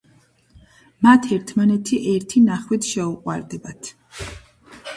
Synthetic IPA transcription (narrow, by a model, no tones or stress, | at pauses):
mat̪ʰɛɾt̪ʰmanɛt̪ʰiʔɛɾt̪ʰinaχwit̪ʰʃɛuqʼwa̰ɾd̪ɛbat̪ʰ